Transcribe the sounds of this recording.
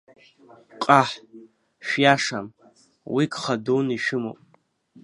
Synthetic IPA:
qʼaħ | ʃᶣjaʂam | wikχaduniʃɪmo̰pʼ

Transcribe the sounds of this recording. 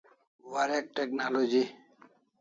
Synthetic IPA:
ʋaɾɛk̚ʈɛk̚nalod͡ʒi

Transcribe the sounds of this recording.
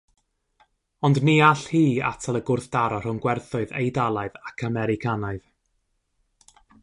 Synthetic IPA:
ɔndniaɬhiːa̰tʰalˠəɡʊrθd̥aɾɔr̥ʊnɡwɛrθʊɨðḛjdalˠaɨðakʰamɛɾɪkʰanaɨð̥

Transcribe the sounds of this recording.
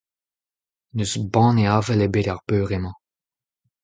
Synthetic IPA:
nøzbɑ̃ːneaːvɛlebeɾaʁbøːʁemɑ̃

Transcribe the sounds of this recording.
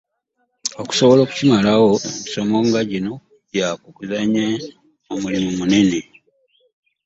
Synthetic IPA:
o̞ku̥so̞βo̞lo̞ːku̥cimalawo̞emiso̞mo̞ŋɡaɟino̞ | ɟakukuzaɲe | omulimumune̞ne̞

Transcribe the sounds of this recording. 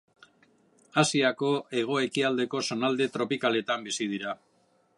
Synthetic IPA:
asiako̞e̞ɣ̞o̞e̞kiald̪e̞ko̞so̞nald̪e̞t̪ɾo̞pikale̞t̪ambisið̞iɾa

